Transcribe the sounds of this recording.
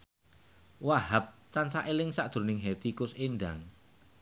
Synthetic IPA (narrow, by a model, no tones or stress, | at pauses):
waɦap̚t̪ansaʔelɪŋsaʔd̪̥ɾo̤nɪŋɦɛt̪ikʊsenɖaŋ